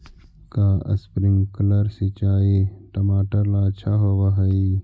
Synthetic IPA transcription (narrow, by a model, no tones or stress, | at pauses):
kaə̰spɾɪŋɡkələɾset͡ʃaːeʈɐmaːʈəɾlat͡ʃʰaɦoʋaɦɐi